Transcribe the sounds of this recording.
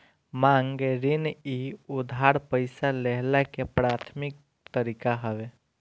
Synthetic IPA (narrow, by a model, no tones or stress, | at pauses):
mãːŋɡeɾɪniʊd̪ʱaːɾpəɪsaleɦlakepɾaːt̪ʰmɪk̚ | t̪əɾikaɦəʋe